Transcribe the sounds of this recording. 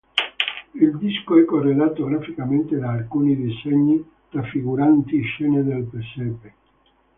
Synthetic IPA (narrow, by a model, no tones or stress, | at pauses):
ild̪iskoɛkːorːelaːt̪oɡɾafikament̪ed̪aːlkuːnid̪isɛɲːi | t̪ɾafːiɡuɾant̪iʃɛːned̪elpesɛpe